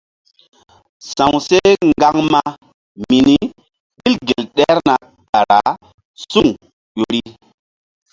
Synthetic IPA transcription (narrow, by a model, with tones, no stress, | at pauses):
sã˨wse˦ŋɡa˦ŋma˦ | mi˨ni˦ | ɓi˦lɡe˨lɗɛ˦ɾna˨ | ɗa˨ɾa˨ | su˦ŋ | ʄo˨˦ɾi˦